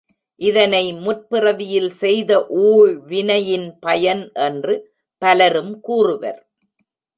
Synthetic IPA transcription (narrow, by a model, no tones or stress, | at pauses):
ʔɪðɐnɐɪmʊr̚pɪrɐʋɪjɪlsɛjðɐʔuːɻʋɪnɐjɪnpɐjɐnʔɛndrɯ | pɐlɐɾɯmkuːrɯʋɐ̰ɾ